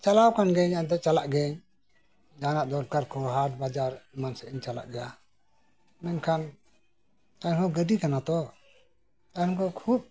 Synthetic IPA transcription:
t͡ʃalawkanɡɛɲant̪̬ɛt͡ʃalaʔɡɛɲ | d͡ʒanaʔd̪ɔɾkaɾkɔɦaʈ̚bad͡ʒaɾmansɛʔiɲt͡ʃala̰ʔɡɛja | mɛnkʰan | aɲhɔ̃ɡəɖikanat̪ɔ | t̪aɔ̃kɔkʰub̚

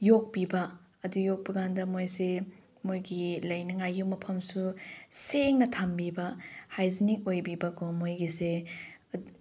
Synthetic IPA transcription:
jok̚bibɐ | ɐdujok̚bɐɡandɐmojse | mojɡilɐjnɐŋajumɐpʰɐmsuseŋnɐtʰambibɐhajzinik̚ojbibɐkomojɡise

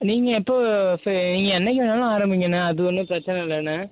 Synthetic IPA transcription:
niːŋɡɐɪpːoːsniːŋɡɐɛnːɛk̬ʲːɪʋɐnːaːlãaːɾɐmbɪŋɡɐnːɯɐðɯɔnːɯpɾɐt͡ʃːɐnɛɪlːnːɐ

